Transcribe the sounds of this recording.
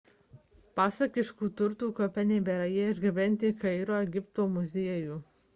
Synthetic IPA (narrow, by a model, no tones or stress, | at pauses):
pɑːsɐkʲɪʃkuːt̪ʊɾt̪uːkoːpʲɛnʲɛɪbʲɛɾɐjɛɪʒɡʲɪʋʲɛnʲt̪ʲɪkɐɪɾoːɛɡʲɪpt̪oːmʊzʲiɛjuː